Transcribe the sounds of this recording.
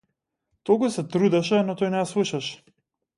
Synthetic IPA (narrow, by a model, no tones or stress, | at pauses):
t̪ɔkusɛt̪ɾud̪ɛʃɛnɔt̪ɔjnɛaslˠuʃaʃɛ̥